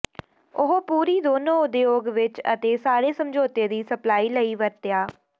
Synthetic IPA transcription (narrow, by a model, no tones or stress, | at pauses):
ʊɦopuːɾiːd̪oːnõːʊd̪eːoːɡʋɪt͡ʃə̰t̪eːsaːɾeːsəmd͡ʒoːt̪eːd̪iːsəplaːiːləiːʋəɾt̪ɪjaː